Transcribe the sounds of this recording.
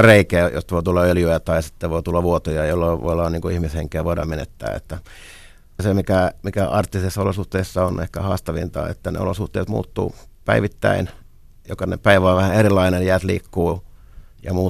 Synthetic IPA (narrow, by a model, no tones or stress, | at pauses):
reikeːjo̰st̪ʋoit̪ulːɑøljyæt̪ɑisi̥t̪ːeʋoit̪ulːɑʋʋuot̪ojɑjolːɑʋo̰ilːɑːnniːŋkuihmisheŋkeːʋoiɾɑ̰menḛt̪ːæ̰ːḛt̪ːæ | semikæmikæɑrt̪ːisesːolosuht̪eisːɑonḛhkæhɑ̰ːst̪ɑʋint̪ɑ̰ːḛt̪ːænḛo̰losuht̪eːt̪mṵːt̪ːṵːpæ̰iʋit̪ːæ̰in | jokɑnḛpæiʋɑːʋæhæerilːˑɑinenjæːt̪liːkːuː | jɑmuː